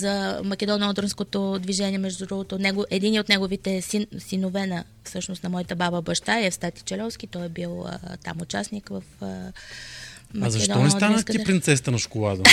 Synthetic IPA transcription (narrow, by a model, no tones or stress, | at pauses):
zɐmɐkɛd̪ɔnɔd̪ɾonskot̪od̪viʒɛniɛmɛʒd̪ud̪ɾuɡot̪onɛɡoʔɛd̪iniot̪nɛɡovit̪ɛsinsinovɛnə | fsɤʃnʊst̪nɐmɔjət̪əbabəbɐʃt̪aɛfst̪at̪i̥t͡ʃɛlʲɔfskʲit̪ɔjɛbilˠə̰t̪a̰mʊt͡ʃasnikvəfə | mɐzɐɛʃd̪ɔɔnɛsd̪annəstk̪ipɾint̪sɛst̪ənɐʃkolˠad̪ɐ